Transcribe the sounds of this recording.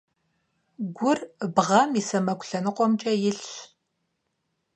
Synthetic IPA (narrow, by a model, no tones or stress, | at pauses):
ɡʷʊrbʁɐmisɐmɐkʷɬɐnɨqʷʼɔmt͡ʃʼɐjɪɬ